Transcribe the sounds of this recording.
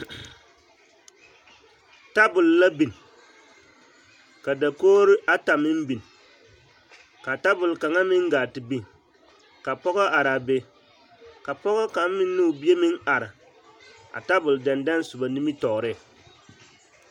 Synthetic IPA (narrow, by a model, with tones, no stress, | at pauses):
ta˦bʊ˨lla˦bi˨n˨ | ka˨da˨koː˦ɾɪ˦ʔa˦ta˨mɪ˦m˦bi˨n˨ | ka˨ta˦bʊ˨lka˨ŋa˦mɪ˦ŋɡaː˨tɪ˨bi˦˨n | ka˨pɔ˦ɣɔ˦ʔa˨ɾa˨be˨ | ka˨pɔ˦ɣɔ˦ka˨m˦mɪ˦nː˦u˦˨bi˦e˦mɪ˦ŋa˨ɾɪ˨ | a̰˨ta˦bʊ˨lda˨nda˦n˦sʊ˨ba˨ni˦mi˦tɔ˨ɾɪ˦˨